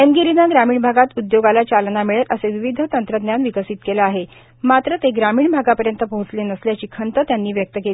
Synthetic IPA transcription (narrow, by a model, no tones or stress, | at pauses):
enɡiɾinaɡɾamiːɳbʱaɡat̪ud̪joɡalat͡ɕalnamiɭet̪əseʋiʋid̪ʱət̪ənt̪ɾəd̪njanʋikəsiːt̪kelaaɦe | mat̪ɾət̪eɡɾamiːɳbʱaɡapəɾjənt̪əpoɦut͡slenəsljat͡ɕiːkʰənt̪ət̪janːiːʋjək̚t̪əkeli